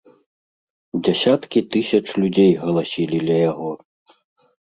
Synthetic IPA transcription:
d͡zʲasʲat̪kʲit̪ɨsʲɐt͡ʂlʲud͡zʲejɣɐlˠasʲilʲid̪lʲɐjaɣɔ

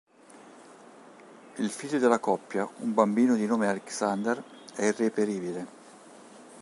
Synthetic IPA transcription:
ilfiʎːod̪elakɔpːjaumbambiːnod̪inoːmealeksand̪er | ɛirːepeɾiːbile

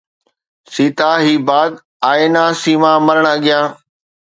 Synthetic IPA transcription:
siːt̪aːɦiːbaːd̪ | aːɪnaːsiːmãːmɐɾəɽ̃ɐɠɪjãː

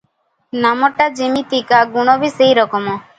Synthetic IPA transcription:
namɔʈad͡ʒemit̪ikaɡuɽ̃ɔbisejɾɔkɔmɔ

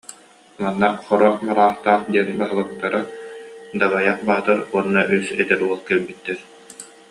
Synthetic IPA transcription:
manːaχɔɾɔχmaɾaːχt̪aːχd̪iɛnɯbaɦɯlˠɯkt̪ːaɾa | d̪abajaχbaːt̪aɾuɔnːaʔysɛt̪ɛɾuɔlˠkɛlbit̪ːɛɾ

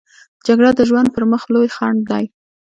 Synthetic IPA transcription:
d͡ʒaɡɽad̪əʒwand̪̚pəɾməxlojxɑɳd̪ɑj

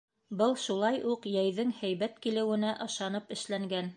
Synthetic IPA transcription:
bɤlˠʃulˠɑjʔuqjæjðɘŋhæjβæt̪̚kilɘ̆wɘ̆næʔɤ̆ʃɑnɤpɘ̆ʃlæŋɡæn

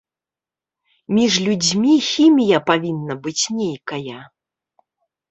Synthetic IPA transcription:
mʲiʐlʲud͡zʲmʲixʲimʲijɐpavʲinːɐbɨt͡sʲnʲejkɐjɐ

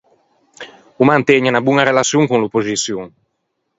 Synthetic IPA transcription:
umant̪ɛɲanabuŋaɾelasjuŋkunlupːozisjuŋ

